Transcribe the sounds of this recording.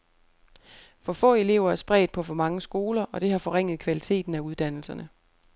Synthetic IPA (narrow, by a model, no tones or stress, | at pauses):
fɒ̽fɔ̰̽ːe̝le̝ʊɐæɐsb̥ʁɛ̰ːd̥pʰɒ̽fɒ̽mɑ̈ŋəsɡ̥o̝ːlɐʔɒ̽d̥e̝hɑ̈fɒ̽ʁeŋ̰ð̞̩ˠkʰʋælit͡sʰe̝̰ːd̥n̩æuð̞ˠd̥æn̰l̩sɐnə